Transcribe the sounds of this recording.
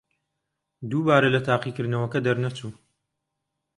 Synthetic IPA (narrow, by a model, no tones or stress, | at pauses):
d̪uːbaːɾɐlɐt̪ʰaːqiːkɨɾd̪nɐwɐkɐd̪ɐɾnɐt͡ʃuː